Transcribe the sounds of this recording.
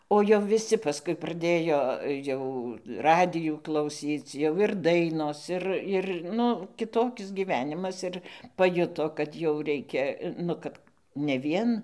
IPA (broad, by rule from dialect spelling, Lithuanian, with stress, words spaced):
oː jɛʊ ʋʲɪˈsʲɪ pɐˈskʊɪ prɐˈdʲeːjoː ˈjɛʊ ˈrɑːdʲɪjuː klˠɐʊˈsʲiːt͡s jɛʊ ɪr ˈdɐɪnoːs ˈɪr ˈɪr ˈnʊ kʲɪˈtoːkʲɪs ɡʲiːˈʋʲæːnʲɪmɐs ˈɪr pɐˈjʊtoː kɐt jɛʊ ˈrʲɛɪkʲɛ ˈnʊ kɐt nʲɛ ˈʋʲiɛn